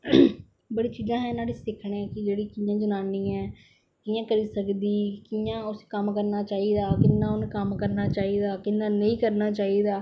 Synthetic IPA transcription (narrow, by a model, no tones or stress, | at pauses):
bəɽiːt͡ʃiːzãːɦɛ̃ːnaːɽeːsɪkʰɽeːkɪd͡ʒeːɽiːkijãːd͡ʒənaːniːɛ̃ː | kiːãːkəɾiːsəkd̪iːkijãːʊskəmkəɾnaːt͡ʃaːiːd̪aːkɪnːãːʊnkəmkəɾnaːt͡ʃaːiːd̪aːkɪnːaːnəĩːkəɾnaːt͡ʃaːiːd̪aː